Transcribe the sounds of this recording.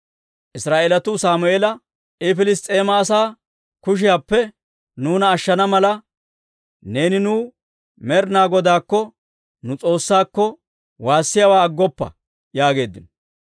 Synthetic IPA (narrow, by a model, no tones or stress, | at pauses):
ʔɪsɾaːʔelɐt̪ʊsaːmʊeːlɐ | ɪfɪlɪst̪ʼeːmɐːsaː | kʊʃ̬ɪjaːpːɛ | nuːnɐːʃːɐnɐmɐlɐ | ne̞ːnɪnuː | mɛɾnaːɡɔd̪aːkːɔ | nʊt͡sʼo̞ːsːaːkːɔ | waːsːɪjɐwaːɐɡːɔpːɐ̰ | jaːɡe̞ːd̪ːɪnɔ